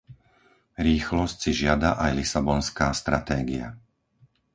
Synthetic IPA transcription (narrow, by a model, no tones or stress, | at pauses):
ɾiːxlɔscsiʒɪad̪aʔajlisabɔnskaːst̪ɾat̪ɛːɡia̰